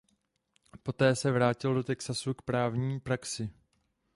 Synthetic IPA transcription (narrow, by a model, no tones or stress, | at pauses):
po̞t̪ɛːsɛvɾaːcɪldo̞t̪ɛksasukpɾaːvɲiːpɾaksɪ